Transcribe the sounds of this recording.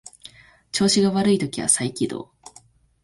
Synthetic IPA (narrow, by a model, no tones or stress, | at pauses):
t͡ɕo̞ːɕiɡaβaɾɯ̟it̪o̞kʲiβa̰saikʲid̪o̰ː